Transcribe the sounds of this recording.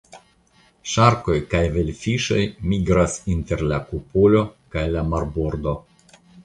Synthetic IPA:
ʃaɾko̞jkajvelfiʃo̞jmiɡɾasinte̞ɾlakupulo̞kajlamaɾboɾd̪o̞

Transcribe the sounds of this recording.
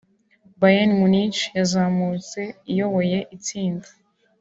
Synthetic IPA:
bajanmunit͡ʃjazaːmut͡se̞ijo̞βo̞je̞ʔit͡siːndḁ

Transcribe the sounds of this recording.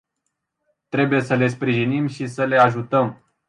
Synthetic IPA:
t̪ɾe̞buje̞səle̞spɾiʒinimʃisəle̞aʒut̪əm

